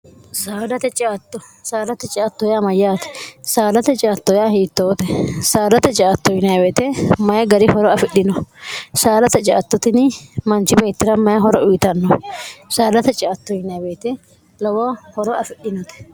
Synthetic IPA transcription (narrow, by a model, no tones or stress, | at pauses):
saːd̪ɐt̪ɛt͡ʃʼaːt̪ːɔ | saːd̪ɐt̪ɛt͡ʃʼɪːt̪ːɔjamɐjːaːt̪ɛ̥saːd̪ɐt̪ɛt͡ʃʼaːt̪ːɔjahiːt̪ːoːt̪ɛsaːd̪ɐt̪ɛt͡ʃʼaːt̪ːɔjɪnɐjɐbeːt̪ɛmɐjɛɡɐɾɪhɔɾɔɐfɪɗɪnɔsaːlɐt̪ɛt͡ʃʼaːt̪ːɔt̪ɪnɪmɐnt͡ʃɪbe̞ːt̪ːɪɾɐmɐjɐɦɔɾɔʊjɪt̪ɐnːɔsaːd̪ɐt̪ɛt͡ʃʼaːt̪ːɔjɪnɐjɐbe̞ːt̪ɛ | lɐwɔhɔɾɔɐfɪɗɪnɔt̪ɛ̥